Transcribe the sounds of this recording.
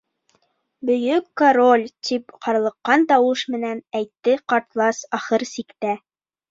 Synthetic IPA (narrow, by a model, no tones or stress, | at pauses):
bɵ̆jɵkːoɾo̞lʲt̪ʰipqɑɾɤ̆lˠɤ̆qːɑnt̪ɑwɤʃmɘ̆nænæjt̪ːɘqɑɾt̪lˠɑsɑχɤɾsikt̪æ